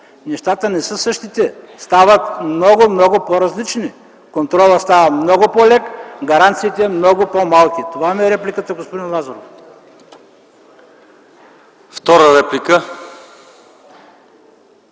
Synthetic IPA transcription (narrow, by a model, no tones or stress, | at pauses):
nɛʃt̪at̪ənɛsəsɤʃt̪it̪ɛst̪avət̪mnɔɡʊmnɔɡʊpoɾɐzlit͡ʃni | kont̪ɾɔlˠəst̪avɐt̪mnɔɡʊpolɛkɡɐɾant̪siːt̪ɛmnɔɡʊpomalˠkʲit̪ovaimɛɾɛplʲikət̪əɡospod̪inlˠazɐɾof | ft̪ɔɾəɾɛplikə